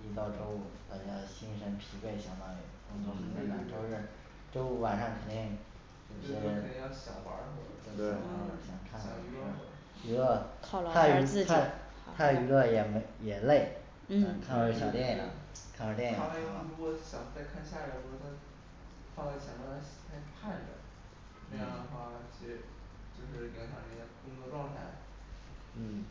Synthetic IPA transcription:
i˥t̪ɑ˥˧ʊʈ͡ʂo˥ʊu˥˩t̪a˥˩t͡ɕja˥ɕi˥nʂə˧˥npʰi˧˥fe˥˩ɪɕjɑ˨˩ŋma˧˥i˨˩kʊ˥t͡swɔ˥˩mi˧˥e˥˩la̰˨˩t͡ɕjo˥˧ʊʂɻ̩˥˩ | ʈ͡ʂo˥ʊu˥˩wa˨˩nʂɑ˥˩ŋkʰə˨˩t̪i˥˩ŋ | t͡ɕo˥˩˥i˥ə˧˥˧i˥˩jɑ˥˩ʊɕjɑ˨˩ʊwa̰˧˥xɔ˧˩˧ɕjɑ˨˩ŋkʰa˥˩n˨˩y˧˥l | y˧˥lə˥˧kʰɑ˨˩lt̪ʰa˥y˥˩t̪ʰa˥ | t̪ʰa˥y˧˥lə˥˧jɛ˨˩m˥jɛ˨˩le˥˩ɪ˥˩˧ | kʰwɕjɑ˨˩ʊt̪jɛ˥˩ni˨˩la̰˩˥kʰa˥˩ə˧˥t̪jɛ˥˩n˨˩a˥lɻu˧˥kwɔ˧˥˩ɕjɑ˨˩ŋt͡sa˥˧ɪkʰa˥˧nɕja˥˩˨u˧˥ɔ˥˧˩t̪ʰa˥ | fɑ˥˧ŋa˥˩t͡ɕʰjɛ˧˥nmɑ˥t̪ʰa˥˩ɕt̪ʰa˥˩˥pʰa˥˩ndə̰˩ | na˥˧jɑ˥˩d̪ə˩xwa˥˩˧t͡ɕʰi˧˥ʂɻ̩˧˥ | t͡ɕjo˥˧ʊʂɻ̩˥˩jɛ˧˥ɕjɑ˨˩ŋə˥˩˧pu˥˧˩ə˧˥d̪ə˧ʈ͡ʂwɑ˥˧ŋt̪ʰa˥˧˩ɪ | n̩˥˩

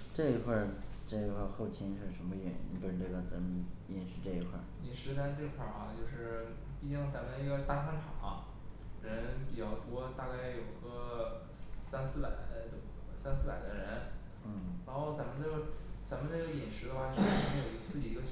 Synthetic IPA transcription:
ʈ͡ʂɤ˥˧i˧˥kʰwa˥˧˩ʈ͡ʂɤ˥˩i˧˥kʰwa˥˧xo˥˩ʊt͡ɕʰi˥nʂɻ̩˥˩ʂə˧˥nmə˧ɥɛ̰˨˩ḭ˥ḭ˧˥pu˧˥ʂɻ̩˥˧ʈ͡ʂɤ˥˩ɡə˩t͡sa˧˥mɛ˨˩nʂɻ̩˧˥ʈ͡ʂɤ˥˩i˧˥kʰwa̰˥˩ni˧˥˩nʂɻ̩˧˥t͡sa˥˧ʈ͡ʂɤ˥˧i˧˥kʰwa˥˩ʔɐ˧˩t͡ɕjo˥˧ʊʂɻ̩˥˩ | pi˥˧˩t͡ɕi˥˩ŋt͡sa˧˥mə˧i˧˥ɡə˧t̪a˥kʰa˥nʈ͡ʂʰɑ˨˩˦ŋɐ˦ | ɻə˧˥npi˨˩t͡ɕjɑ˥˩ʊt̪wɔ˥t̪a˥˧ka˥˩ɪjo˨˩ʊi˧˥ɡə˧ | sa˥nsɹ̩˥˩pa˨˩˦ɪt̪ə˥˩psa˥nsɹ̩˥˩pa̰˨˩ɪd̪ə˦ɻə˧˥n | n̩˥˩ɻa˧˥nxo˥˩ʊt͡sa˧˥mə˧nə˥˩ɡt͡sa˧˥mə˧n˥˧˩ɡə˧˩jɛ˨˩nʂɻ̩˧˥d̪ə˧xwa˥˧˩t͡ɕo˥˧ʊʂ̩˥˧˥m˧˥jo˨˩˧sɹ̩˥˧˩i˧˩i˧˥ɡə˧

